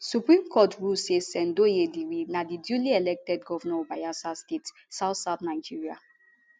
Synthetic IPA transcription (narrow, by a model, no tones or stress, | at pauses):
supɹĩmkʰɔtɹusesɛ̃ndojediwinadidjuliɛlɛk̚tɛdɡɔvɔnɔɔbajasastet | saʊtsaʊtnaɪd͡ʒiɹia